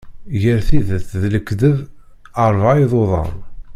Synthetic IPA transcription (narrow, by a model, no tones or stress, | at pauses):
ʝəɾθiðəθðləkːðəv | əɾˤvajðˤoðˤɑ̰m